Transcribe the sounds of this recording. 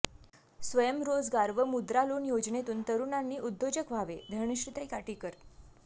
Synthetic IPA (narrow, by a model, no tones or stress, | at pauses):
sʋəjəmɾod͡zɡaɾʋəmud̪ɾalonjod͡znet̪uːnt̪əɾunanːiːʔud̪ːod͡ʑəkʋ̤aʋed̪ʱəɾɳəɕɾit̪aikaʈikəɾ